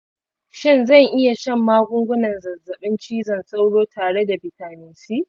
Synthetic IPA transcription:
ʃɪ˦˨nzɐ˦˨ŋʔɪ˦ja˨ʃɛ˦mːaː˦ɡʷʊ˦ŋɡʷʊ˦nɐ˨nzɐ˨zɐ˨ɓɪ˦nt͡ʃiː˦zɐ˨nsa˦wɽoː˦tʰaː˨ɽe˦da˨bɪ˨taː˨nɪ˦nsi˦ʔ

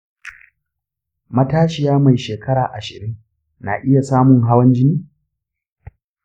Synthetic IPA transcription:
mɐ˦taː˦ʃɪ˨jaː˦ma˨jʃeː˨kʰɐ˦ɽaː˨ʔa˨ʃɪ̰˨ɾɪ˦ŋ | na̰˨ʔɪ˦ja˨saː˦mʊ˨ŋɦa˦wɐ˦nd͡ʒɪ˦niː˦

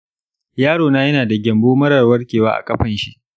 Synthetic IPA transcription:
jaː˦ɽoː˨naː˦jɐ˦naː˨da˨ɡʲɐ˨mboː˦mɐ˦ɾɐ˨rwɐ˦rkʲeː˨waː˦ʔa̰˨kʼɐ˦ɸɐ˨nʃi˦ʔ

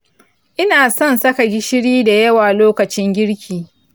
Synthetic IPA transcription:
ʔɪ˦naː˨sɔ˦nsɐ˦ka˨ɡʲɪ˦ʃɪ˦ɽiː˦da˨jɐ˦waː˨loː˦kɐ˨t͡ʃɪ˦ŋɡʲɪ˦ɽkʲʰiː˨

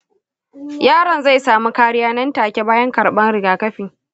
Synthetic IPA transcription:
jaː˦ɾɐ˨nza˦˨saː˨mu˦kaː˦ɽɪ˦jaː˦nɐ˦ntaː˨kʲe˦baː˦jɐ˦ŋkɐ˨ɽɓɐ˦nɽɪ˨ɡaː˨kɐ˦ɸɪ˨ŋ

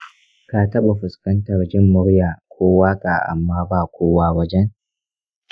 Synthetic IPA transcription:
ka˨tɐ˦ɓa˨ɸʊ˨skɐ˦ntɐ˨rd͡ʒɪ˦mːʊ˦ɽjaː˨kʷʰoː˦waː˦kʼa˨ʔa̰˨mːaː˦baː˦˨kʷoː˦waː˦wɐ˦d͡ʒɛ˦ŋ

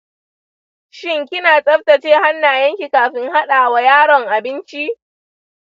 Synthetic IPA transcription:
ʃɪ˦ŋkʲɪ˦naː˨sʼɐ˦ɸtɐ˨t͡ʃeː˦ha˦nːaː˨jɐ˦ŋkʲi˨kaː˨ɸɪ˦ŋha˦ɗaː˨wa˦jaː˦ɽɔ˨ŋʔa˨bɪ˦nt͡ʃi˦

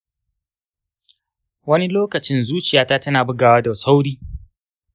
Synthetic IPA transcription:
wɐ˦ni˦loː˦kɐ˨t͡ʃɪ˦nzuː˦t͡ʃɪ˨jaː˨ta˦tɐ˦naː˨bʊ˦ɡaː˨wa˦da˨sa˦wɽiː˦

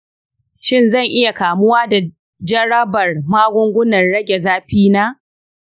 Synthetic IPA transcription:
ʃɪ˦˨nzɐ˦˨ŋʔɪ˦ja˨kaː˨mʊ˦waː˦da˨ | d͡ʒɐ˦ɽɐ˦bɐ˨rmaː˦ɡʷʊ˦ŋɡʷʊ˦nɐ˨nɽɐ˦ɡʲe˨zaː˦ɸiː˦naː˦

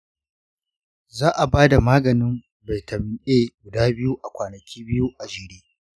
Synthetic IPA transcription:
zaː˦ʔa˨baː˦da˨maː˦ɡɐ˨nɪ˦m | ba˨jtʰɐ˨m˨˦ʔe˦ɡʷʊ˨daː˦bɪ˦ju˦ʔa˨kʷaː˨nɐ˨kʲiː˦bɪ˦ju˦ʔa˨d͡ʒɪ˨ɽeː˦

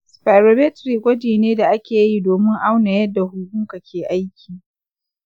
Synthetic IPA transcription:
spa˨jɾo˨bɛ˦tɾi˨kʷʼɐ˦d͡ʒiː˨neː˦da˨ʔa˦kʲeː˨ji˦doː˨mɪ˦ŋʔa˦wna˨jɐ˦dːa˨hʊ˨kʊ˦ka˨kʲeː˨ʔa˦jkʲiː˨

